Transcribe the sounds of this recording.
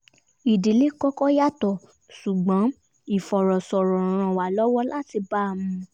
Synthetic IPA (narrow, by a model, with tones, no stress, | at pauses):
i˨de˨˦le˦kɔ˦kɔ˦ja˦tɔ˨ | su˨ɡ͡bã˨˦ | i˨fɔ˨ɾɔ˨sɔ˨ɾɔ˨ɾ̃ã˧˨wa˨˦lɔ˦wɔ˦la˦ti˧ba˦˨mũ˦